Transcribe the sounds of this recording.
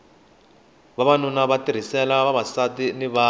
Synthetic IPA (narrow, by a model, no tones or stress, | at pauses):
βaβanunaβatiɾ̤isɛlaβaβasatiniβaː